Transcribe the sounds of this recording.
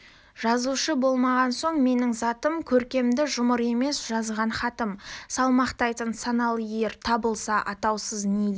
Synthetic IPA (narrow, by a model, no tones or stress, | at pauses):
ʒ̥ɑzuʃəbo̞lˠmɑʁɑnso̞ɴme̞nɪŋzɑt̪əmkʲʰɵɾkʲe̞md̪ɪʒʊməɾe̞me̞sʒ̥ɑzʁɑnχɑt̪əmsɑlˠmɑqt̪ɑjt̪ənsɑnɑlˠəje̞ɾt̪ʰɑbəlˠsɑʔɑt̪ɑwsəzned̪e